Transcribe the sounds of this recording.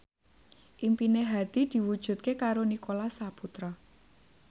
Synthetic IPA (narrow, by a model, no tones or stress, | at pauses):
ʔimpineɦad̪̥i̤d̪̥i̤wud̥ʒ̥ṳt̪̚kekaɾonikolasaput̪ɾɔ